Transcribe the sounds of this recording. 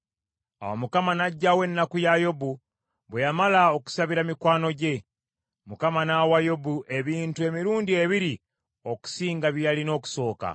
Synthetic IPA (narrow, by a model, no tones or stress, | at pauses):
a̰wamukamanaɟːawe̞nːakujajo̞bu | βwejamalao̞ku̥saβiɾamikwaːno̞ɟe̞ | mukamanawajo̞buʔe̞βiːntue̞miɾuːndie̞βiɾi | o̞ku̥siːŋɡaβjjalino̞ːku̥so̞ːka̰